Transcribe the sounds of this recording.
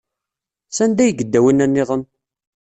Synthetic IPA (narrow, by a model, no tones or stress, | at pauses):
sænd̪æjəɡəd̪ːæwənːænːɪðˤən